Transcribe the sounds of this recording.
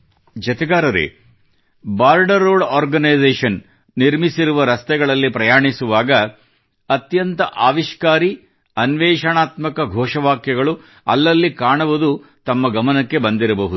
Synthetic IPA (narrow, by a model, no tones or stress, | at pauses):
d͡ʒɐt̪ɛɡaːɾɐɾḛ | baːɾɖɐɾːoːɖaːɾɡɐnɐjd͡ʒeːʂɐnː | iɾmisiɾuʋɐɾɐst̪ɛɡɐɭɐlːipɾɐjaːɳisuʋaːɡɐ | ɐt̪jɐnt̪ɐʔaːʋiʃkaːɾi | ɐnʋɛːʂɐɳaːt̪mɐkɐɡʱɔːʂɐʋaːkjɐɡɐɭu | ɐ̰lːɐlːikaːɳɐʋud̪u | t̪ɐmːɐɡɐmɐnɐkːe̞bɐnd̪iɾɐbɐɦud̪u